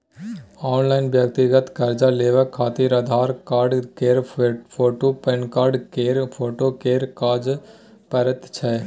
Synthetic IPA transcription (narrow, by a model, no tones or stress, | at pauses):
aːnlaːɪnbjəkt̪iɡət̪kɐɾd͡ʒaleːʋəkʰːaːt̪iːɾɐd̪ʱaːɾkaːɾɖkeːɾpʰoːʈopenkaːɾɖkeːɾpʰoːʈokeːɾkaːd͡ʒ | pɐɾət̪t͡ʃʰɛː